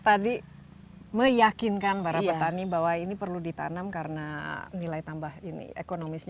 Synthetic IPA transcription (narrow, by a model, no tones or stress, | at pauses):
t̪adi | məjakinkanbaɾapəanibawainipərludit̪a̰namkaɾənanilajt̪ambahinḭḛkonomisɲ